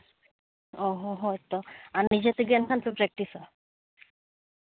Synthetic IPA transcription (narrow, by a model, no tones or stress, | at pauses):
ɔɦɔɦɔt̪ɔaɾnid͡ʑet̪eɡɛnkʰanpepɾɛk̚ʈisɔ